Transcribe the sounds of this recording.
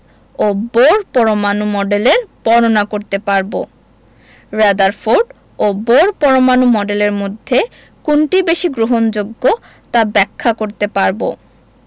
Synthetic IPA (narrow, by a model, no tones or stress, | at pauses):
oboɾpɔɾomanumɔɖeleɾpɔɾonakoɾt̪epaɾbo̰ | ɾad̪aɾfoɖ | oboɾpɔɾomanumɔɖeleɾmod̪ʱːe | kuɳʈibeʃiɡɾoɦond͡ʑoɡːo | t̪abɛkʰːakoɾt̪epaɾbo̰